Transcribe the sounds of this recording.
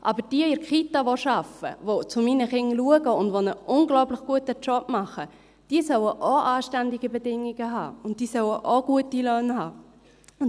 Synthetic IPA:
ʔɑbəd̥iːəɪɾkχitaʋoʃɑfə̰ʋot͡sʊminəχɪŋluəɡəʊndʋonəʔʊnɡlɔʊpləχɡ̥uətət͡ʃɔpmɑχə | d̥iːəsœwəʔoʔaːʃtændiɡəbɛdɪŋiɡəɦɑ̰ːʊnt̚d̥iːsœwəʔoɡ̥uətiløːnhɑː | ʊ

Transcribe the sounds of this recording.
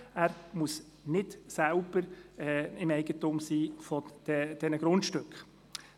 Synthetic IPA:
æːɾmus | nɪdsælb̥əɾɛɪmɛɪɡ̥ətʊmsiːfɔd̥ɛd̥ɛnəɡ̥ɾʊntʃtɵkχ

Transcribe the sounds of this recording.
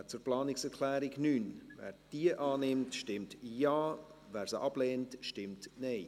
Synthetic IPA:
t͡suɾplɑːnɪksɛɾkʰlɛːɾɪɡnyːnvɛ̰ːɾd̥iəʔɑːnɪmtʃtɪmtjaːvɛːɾsəʔɑb̥leːntʃtɪmtnɛɪ

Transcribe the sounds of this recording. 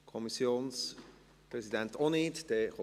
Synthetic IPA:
kʰɔmisjoːns | pɾɛsidɛntoniːtd̥ɛχo

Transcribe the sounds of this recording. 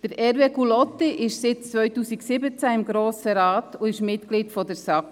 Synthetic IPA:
d̥əɾɛɾvekulɔtːiʔɪʃsɪtt͡sʋœʏtuːsiksɪbət͡sæɪmɡɾoːsəɾɑːtʊɪʃmɪtkliːtfɔdəɾsɑk

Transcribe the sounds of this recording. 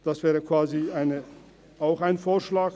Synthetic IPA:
d̥asv̥ɛːʁəkv̥aːziaɪnə | aʊxaɪnfoːɐʃlaːk

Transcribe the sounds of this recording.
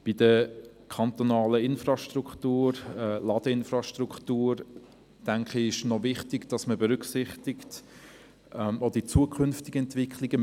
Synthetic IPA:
b̥idə | kʰɑnt̪onɑːləɪnfrɑʃtruktuːɾɛlɑd̥əɪnfrɑʃtrukχtuːɾ | tæŋkχiɪʃnɔvɪχtɪɡd̥ɑsməbɛɾʏksɪχtɪkt | ʔɛmod̥it͡suːəkχʏnftiɡəɛntvɪkʰχlɪɡ̥ə

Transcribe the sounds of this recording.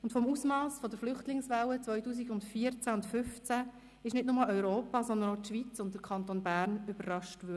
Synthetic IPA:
ʊntfɔmusmɑːsfɔd̪əɾflʏχtlɪŋsʋawət͡sʋœjtuːs̬iɡʊndfiːəɾt͡sæʊntfʏft͡sæ | ɪʃnɪtnʊmɑœʏɾoːpɑːsɔnd̪ənotʃʋit͡sʊnt̚d̥əɾkʰɑnt̪oːnbæːɾnʏbərrɑʃtʋø

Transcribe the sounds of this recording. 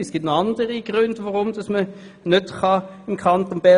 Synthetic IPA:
əsɡ̥itnɑndəʁiɡ̥ʁʉndʋoʁʊmd̥ɑsmə | nøtχɑ | ɪmkʰɑnt̪onb̥ɛ

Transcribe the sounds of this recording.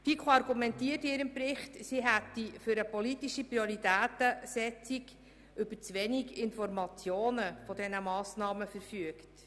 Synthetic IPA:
fikʰχoɑɾɡumɛntiətɪːɾɪmpɾɪχtsiɦætːifʏɾəpɔlitiʃipɾioɾitæːt̪əsɛt͡sik | ʏbəɾt͡sʋɛniɡɪnfɔɾmɑt͡sjoːnəfɔdɛnəmɑːsnɑːməfəɾfyəkt

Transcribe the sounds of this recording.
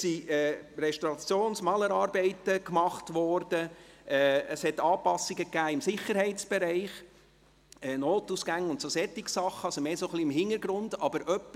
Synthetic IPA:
siɛːɾɛʃtoɑt͡sjoːnsmɑləɾɑːɾbɛɪtəkmɑχtʋɔɾdəɛːəshɛtɑːpɑsːiɡəkːæːɪmsɪχəɾɦɛɪtt͡sb̥ɛɾɛɪχ | ɛnoːtusɡæŋʊntsosɛt̪ːɪksɑχːəɑlsomeːsoχliɪmɦɪnəɾɡɾʊndɑbəɾʔœpː

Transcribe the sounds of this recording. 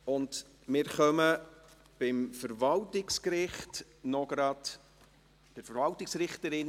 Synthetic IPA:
ʊnd | mɪːɾχœmə | b̥ɪmfəɾvɑltɪkskɾɪχt | nɔɡɾɑd̥ | b̥ɪɾfəɾvɑltɪksɾɪχtəɾɪn

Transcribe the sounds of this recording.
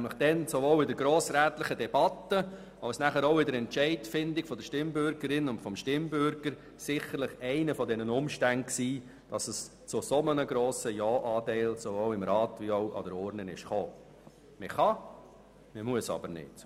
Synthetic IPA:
nmlɪχd̥ɛnsovoːlɪdəɾɡɾoːsɾæːt̪lɪχədɛb̥ɑtːə | ɑwsnæχəɾoʊɪdəɾɛntt͡ʃɛɪtfɪndiɡ̥fɔd̥̪əʃtɪmbʏɾɡəɾɪnʊntfɔmʃtɪmbʏɾɡ̥əɾ | sɪχəɾlɪχɛɪnəfɔdɛnənʊmʃtænt̚ksiː | d̥ɑsəs | t͡sʊsɔmənəɡɾoːsəjɑːʔɑːtɛɪlsovoːwlɪmɾɑːtvioʊʔɑ̰dəɾɔːɾnənɪʃχoː | mɪχɑ | məmuəsɑ̰b̥əɾnɪ̰t

